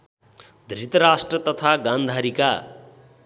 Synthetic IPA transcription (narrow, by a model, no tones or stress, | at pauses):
d̪rit̪ʌɾasʈrʌt̪ʌt̪ʰaɡãnd̪ʱaɾika